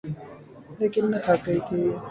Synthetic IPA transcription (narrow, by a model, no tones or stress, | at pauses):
eːkɪnːət̪ʰakəit̪ʰiː